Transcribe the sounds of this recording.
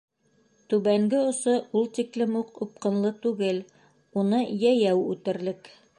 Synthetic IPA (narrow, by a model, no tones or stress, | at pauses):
t̪ʉβæŋɡɘŏsoulˠt̪iklɘmuqup̚qɤ̆nlˠɤt̪ʉɡɘl | unɤjæjæwʉt̪ɘ̆ɾlɘk